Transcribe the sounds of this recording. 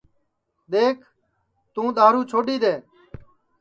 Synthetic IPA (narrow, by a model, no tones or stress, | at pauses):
ɗ̪eːkʰ | t̪ũːɗ̪aːɾuːt͡ʃʰoːɗiːd̪eː